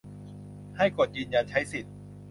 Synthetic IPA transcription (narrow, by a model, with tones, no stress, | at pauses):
ha˥˩jko˨˩t̪̚jɯː˧nja˧nt͡ɕʰa˦˥jsi˨˩t̪̚